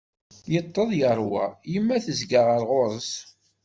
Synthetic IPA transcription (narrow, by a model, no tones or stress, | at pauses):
jət̪ˤːəðˤjəɾˤwa̰jəmːæθəzɡaʁəɾʁoɾˤəs